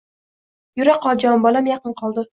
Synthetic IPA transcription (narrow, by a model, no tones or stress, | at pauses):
jʊɾaqːɒd͡ʒɒmbɒlamjɑqɨɴqʰɒlˠd̪ɪ